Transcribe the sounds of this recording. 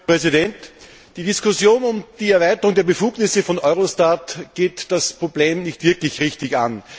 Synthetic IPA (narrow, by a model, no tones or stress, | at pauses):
ʁɛzɪdɛnt | d̥iːdɪskʊsjoːnʊmd̥iːɛɐvæɪtəʁʊŋdeːɐbəfuːɡnɪsəfɔnʔɔʏʁostatɡ̥eːtd̥aspʁ̥obleːmnɪçtv̥ɪɐklɪçʁɪçtɪçan